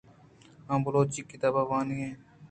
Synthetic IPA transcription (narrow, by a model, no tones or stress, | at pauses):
ãːmbʊloːt͡ʃikːit̪aːbaːʋaːniẽː